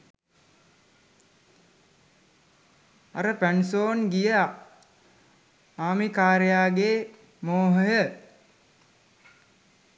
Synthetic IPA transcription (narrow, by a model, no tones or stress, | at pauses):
a̰ɾəpænsoːnɡijəa | aːmikaːɾəjaːɡeː | moːɦəjə